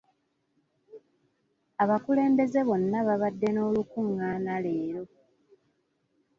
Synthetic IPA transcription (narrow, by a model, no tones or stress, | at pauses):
aβakule̞ːmbe̞ze̞βo̞nːaβaβadːe̞no̞ːlukuŋːaːnale̞ːɾo̞